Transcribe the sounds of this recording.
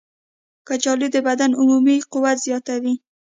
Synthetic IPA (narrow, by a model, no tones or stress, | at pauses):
kat͡ʃɑlud̪əbad̪anʊmumiqʊwat̪z̥jɑt̪awi